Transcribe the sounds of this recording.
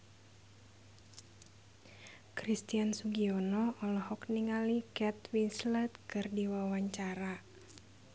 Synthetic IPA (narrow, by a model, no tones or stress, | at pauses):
kɾist̪iansuɡiɔnɔɔlɔhɔkniŋalikɛt̪winslɛt̪kɨrdiwawaɲt͡ʃaɾa